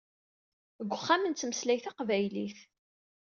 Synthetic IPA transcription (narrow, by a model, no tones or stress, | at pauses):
əɡʷːʊχːamənt͡s̪ːməslæjθaqvæjliθ